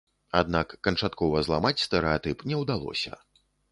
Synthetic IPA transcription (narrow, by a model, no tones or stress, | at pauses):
ad̪nakːɐnt͡ʂat̪kɔvɐzlˠamat͡sʲst̪ɛɾɛat̪ɨpnʲɛwd̪alˠɔ̰sʲɐ̰